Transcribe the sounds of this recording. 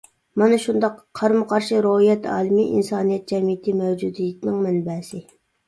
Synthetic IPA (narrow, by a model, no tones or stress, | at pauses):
mɑnɨʃund̪ɑqqʰːɑɾmɨqʰɑɾʃiɾohijɛt̪ʰɑ̰ːlˠɪmiʔḭnsɑːnijɛt̪̚d͡ʒɛmijɪt̪ʰɨmɛwd͡ʒud̪ijɪt̪nɪŋmɛnbɛːsɪ